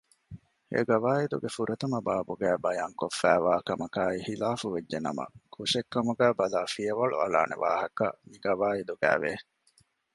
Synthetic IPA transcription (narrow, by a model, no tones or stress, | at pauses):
ḛɡɐʋaːid̪uɡefuɾʔɐt̪ɐmɐbaːbuɡæːbɐjaːŋkofːæ̰ːʋaːkɐmɐkaːihilaːfuʋed͡ʒːenɐ̰mɐ̰kʰuʃekːɐmuɡæːbɐlaːfijɐʋɐɭṵɐla̰ːnḛʋa̰ːɦɐkɐmiɡɐʋaːid̪uɡæ̰ːʋe